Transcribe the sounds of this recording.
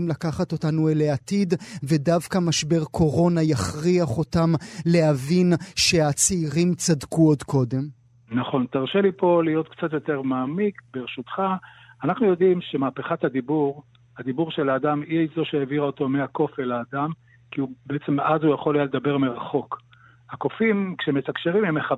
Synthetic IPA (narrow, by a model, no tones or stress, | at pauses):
mlakaχat̪o̞tanueleatidvedavkamaʃbe̞ʁkʰo̞ʁo̞najaχʁiaχo̞tamle̞avinʃe̞at͡seiʁimt͡sadkuodkʰo̞de̞m | naχo̞nt̪aʁʃelipo̞lijo̞t̪kt͡sat̪jo̞t̪e̞ʁmaːmikbeʁeʃut̪χaː | naχnujo̞d̪imʃe̞maːpeχat̪had̪ibuʁ | had̪ibuʁʃelaːd̪amizo̞ʃeeviʁaot̪o̞meako̞felaːd̪am | kiubeet͡semazhujaχo̞lajaled̪abe̞ʁmeʁaχo̞k | hako̞fimkʃemet̪akʃeʁimemeχa